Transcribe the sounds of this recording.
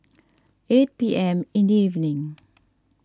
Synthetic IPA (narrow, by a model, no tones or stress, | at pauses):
et̚piʔɛ̃mɪ̃ndiivnɪ̃ŋ